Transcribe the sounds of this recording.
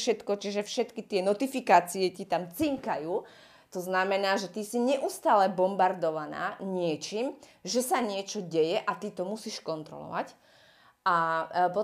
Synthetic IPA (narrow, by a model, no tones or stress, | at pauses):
ʃɛt̪kɔt͡ʃiʒɛfʃɛt̪kit̪ɪɛnɔt̪ifikaːt͡siɛcit̪amt͡siŋkajuː | t̪ɔznamɛnaːʒɛt̪isiɲɛʔust̪aːlɛbɔmbaɾd̪ɔʋana̰ːɲɪɛt͡ʃiːm | ʒɛsaɲɪɛt͡ʃɔɟɛjɛʔat̪it̪ɔmusiːʃkɔnt̪ɾɔ̰lɔ̰ʋa̰c | apɔ